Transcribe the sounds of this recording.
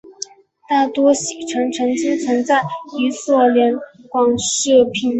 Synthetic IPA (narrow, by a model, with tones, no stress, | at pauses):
t̪a˥˩t̪wɔ˥ɕi˨˩ʈ͡ʂʰɤ˧˥ŋʈ͡ʂʰɤ˧˥ŋt͡ɕi˥ŋt͡sʰə˧˥ŋt͡sa˥˩ɪi˧˥swɔ˥˩ljɛ˧˥nkwɑ˧˩ŋʂɤ˥˩pʰi˨˩˦n